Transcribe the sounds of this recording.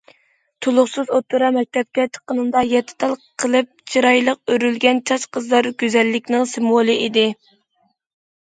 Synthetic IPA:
t̪ʰulˠʊχsɨzot̪ʰːuɾɑmɛk̚ʲt̪ʰɛp̚kʲɛt͡ʃʰə̥qənɨnd̪ɑjɛt̪ʰːɪ̥t̪ɑlˠqʰəlˠɨp̚t͡ʃʰiɾɑjlˠəq̚øɾylɡʲɛnt͡ʃʰɑʃqʰəzlˠɑɾɡʲøzɛlːɪkʲnɪŋsɪmolˠɨʔid̪ɪ

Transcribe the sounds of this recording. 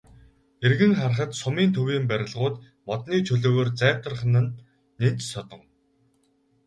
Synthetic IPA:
erɣɘ̆ŋχar̆χə̆t̪sʊmiːnt̪ʰɵwiːmpæɾʲɪ̆ɮʁʊːt̪ | mɔt̪niːt͡ɕʰɵɮoːɣoːrt͡sæːw̥t̪ə̆rχə̆nə̆nː | en̥t͡ɕsɔt̪ɞ̆ŋ

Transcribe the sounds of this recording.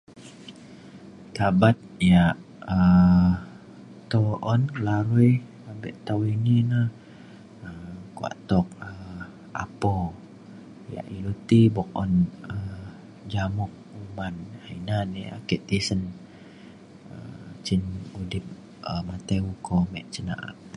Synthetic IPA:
t̪abat̪̚jaʔ | ə | t̪ɔʔɔnkəlaɾuj | abɛʔt̪awinina | əkua̰ʔt̪ɔk̚ə | a̰pɔ | ja̰ʔilut̪ibɔk̚ɔ̰nə | d͡ʒamʊk̚umanhainania̰kiʔt̪isən | ə̰t͡ʃinudip̚ | əmat̪eukʰɔmɛʔt͡ʃəna̰ʔa̰k

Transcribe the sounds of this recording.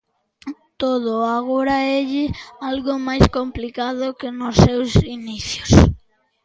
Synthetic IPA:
t̪oðoaɣoɾaeʎɪalɣomajskomplikaðokenʊsːewsiniθjos

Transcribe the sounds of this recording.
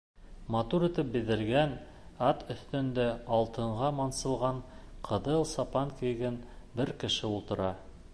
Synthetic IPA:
mɑt̪uɾit̪ɘp̚bĭðɘ̆lɡæn | ɑt̪ɵ̆θt̪ɵ̆nd̪æɑlˠt̪ɤ̆ɴʁɑmɑnsɤ̆lˠʁɑɴqʰɤ̆ðɤlˠsɑpɑŋkɘ̆jɡɘn | bɘɾkɘ̆ʃɘulˠt̪ɤ̆ɾɑ

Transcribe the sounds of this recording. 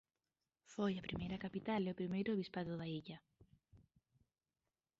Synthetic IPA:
foʝɐpɾimeɾɐkɐpit̪ɐleopɾimejɾoβispɐðoðɐicɐ

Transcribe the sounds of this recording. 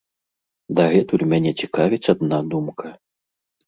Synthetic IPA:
d̪ɐɣɛt̪ulʲmʲanʲɛt͡sʲikavʲit͡sʲad̪nad̪umkʰɐ

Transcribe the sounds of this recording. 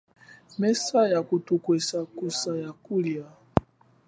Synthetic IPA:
mɛsajakutukwɛsakusajakulia

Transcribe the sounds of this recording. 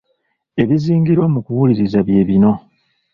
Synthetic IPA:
e̞βiziːŋɡiɾwomukuwuliɾizaβje̞ːβino̞

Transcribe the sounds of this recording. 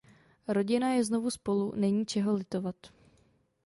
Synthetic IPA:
ɾo̞ɟɪnajɛzno̞vuspo̞lunɛɲiːt͡ʃɛɦo̞lɪt̪o̞vat̪

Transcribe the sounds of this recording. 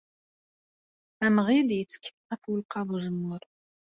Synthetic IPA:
æmʁid̪jət͡sːə̥kʰː | æfwəlqɑðˤʒəmːʊɾ

